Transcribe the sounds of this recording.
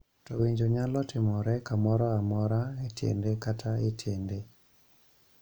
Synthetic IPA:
tɔwiɲd͡ʒoɲalɔtɪmɔɾɛkamɔɾɔamɔɾaetjḛndekatʰaetʰjende

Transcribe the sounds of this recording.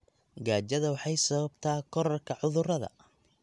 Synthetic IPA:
ɡaːt͡ʃɐðɐwɑħɑjsɐβɐbt̪ʰaːkʰɔɾɐrkʰɐʕʊðʊrɐðɐ̰

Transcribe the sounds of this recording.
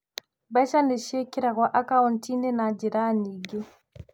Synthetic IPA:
baʃaneʃekiɾaɣwaʔakaɔntʰinɛnad͡ʒiɾaniɡɛ

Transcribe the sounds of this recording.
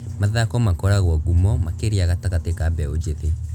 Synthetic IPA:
maðakɔmakɔɾaɣwɔɡumɔmakeɾeaɣataɣatekabɛod͡ʑeðe

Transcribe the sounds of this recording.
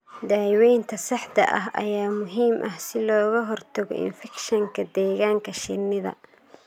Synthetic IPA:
d̪aːjwɛjnt̪ʰɐsɐħd̪ɐ̰ʔɐɦʔɐ̰jaːmʊɦiːmʔɐhsɪlɔːɣɐɦɔrt̪ʰɐɣɔ̰ɪ̰nfɛkʃɐŋkʰɐd̪ɛːɣaːŋkʰɐʃɪnɪðɐ̰

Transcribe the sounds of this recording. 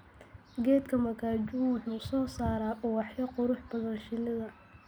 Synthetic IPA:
ɡɛːd̪kʰɐmɐkʰaːt͡ʃɪβwʊħuːsɔːsaːɾaːʔʊwɑħjɐqʊɾʊħbɐðɐnʃɪlɪðɐ

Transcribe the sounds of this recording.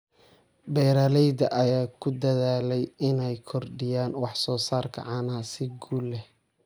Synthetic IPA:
bɛːɾɐlɛjd̪ɐʔɐjaːkʰʊd̪ɐðaːlɛjɪnɛjkʰɔrɖɪjaːnwɑħsɔːsaːrkʰɐ̰ʕɑːnaasɪɡuːlːɛh

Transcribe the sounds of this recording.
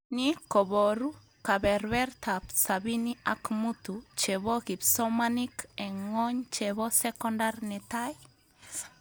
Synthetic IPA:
nikoβoɾu | kabeɾbɛɾt̪apsaβiniakmut̪ut͡ʃeβoɣipsomanikeŋoɲt͡ʃeβosekondaɾnɛtaj

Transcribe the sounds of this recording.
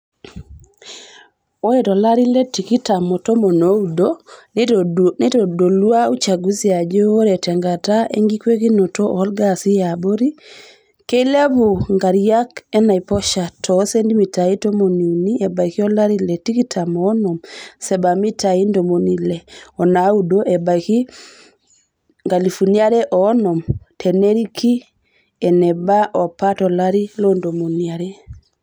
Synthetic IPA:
oetɔlaɾiletikitamotomonoudo | netɔdolwaut͡ʃaɡuziad͡ʒeoɾɛtɛŋɡataʔḛŋɡikwekinotoʔlɡasijaboɾi | keleaboŋɡaɾjakɛnaipɔʃatɔsendimitajitomoniuniebajkiolaɾilɛtikitʰamɔnɔmsɛbamitajindomonilɛɔnaudoʔebajki | ŋɡalifuniaɾɛʔɔnɔmtʰɛneɾikʰi | ɛnɛbaʔɔpːatɔlaɾilondomoniaɾɛ

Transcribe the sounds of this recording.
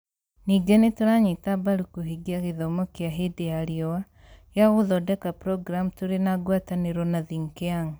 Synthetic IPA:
niːɡɛnetoɾaɲetabaɾukoɦiɡiaɣeðɔmɔkeaɦedeaɾiɔwa | jaɣoðɔdɛkapɾɔɡɾamtoɾenaɡwataneɾɔnaðiŋkeaŋ

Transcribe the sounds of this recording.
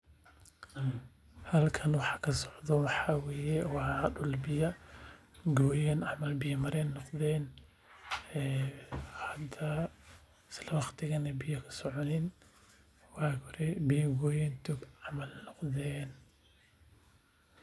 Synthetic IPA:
hɐlkʰɐnwɑħɑ̥kʰɐsɔʕd̪ɔwɑħawɛːjɛwɑɗʊlbɪjɐ | ɡɔːjɛnaʕmɐlbɪjɐmɐɾɛːnːɔqd̪ɛːn | hɐd̪ɐ | slɐwɑχt̪ʰɪɣɐnɐbɪjɐkʰɐ̥sɔʕɔnɪn | waːkʰɔɾɛbɪjɐɡɔːjɛnt̪ʰuɡamɐlnɔqd̪ɛːn

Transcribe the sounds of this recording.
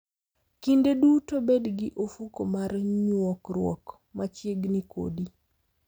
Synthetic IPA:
kindedutobedɡɪʔofukomarɲwɔkɾwɔ̰k | mat͡ʃjeɡnikʰo̰di

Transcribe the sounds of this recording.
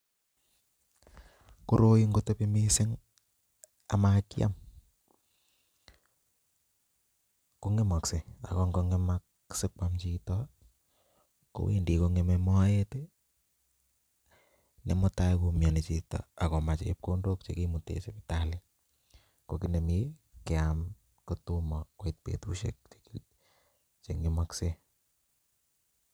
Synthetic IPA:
koɾojiŋɡotepimisɪŋ | amakja̰m | koŋemɔksea̰kɔŋɡoŋemak | sɪk͡pwamt͡ʃitɔ | ko̰wḛndikoŋememɔajete | nḛmɔtajkomjɔnet͡ʃitɔ̰akɔmat͡ʃep̚kondok̚t͡ʃḛkimutḛsepitali | kokinemikeam | kotumɔkoit̚pḛtuʃḛk̚t͡ʃe̥ki | t͡ʃeŋemakse

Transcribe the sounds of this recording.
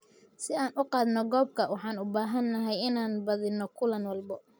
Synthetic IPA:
sɪaːnʔʊqɑːðnɔɡɔːb̚kʰɐwɑħɑːnʊbaːɦɐnːɐɦɛjɪnaːnbɐðɪnɔkʰʊlɐnwɑlbɔ

